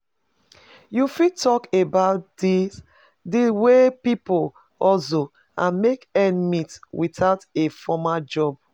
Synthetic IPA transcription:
jufitʰɔkebaʊt̚dis | dewepipol | ɔlso | ãnmekɛ̃nmitwitaʊtefɔmad͡ʒɔb̚

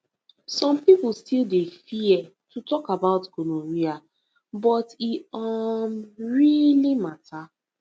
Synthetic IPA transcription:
sɔ̃mpip̩stildefiɛtutɔkabaʊtɡonoɹia | bɔtiamɹilimatʰa

